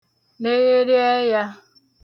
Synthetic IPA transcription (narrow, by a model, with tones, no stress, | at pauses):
ne˦je˦ɾɪ˦ɛ˦ja˦